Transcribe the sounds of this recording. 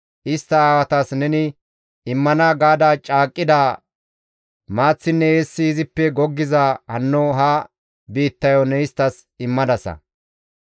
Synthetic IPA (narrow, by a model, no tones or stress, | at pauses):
ʔɪst̪ːɐaːwɐt̪asnɛnɪ | ɪmːɐnaɡaːd̪aːt͡ʃʼaːkʼːɪd̪aː | maːt͡sːɪnːɛeːsːɪːzɪpːɛɡɔɡːɪzaːhɐnːɔɦɐ | biːt̪ːɐjɔnɛɪst̪ːɐs | ɪmːɐd̪ɐsɐ̰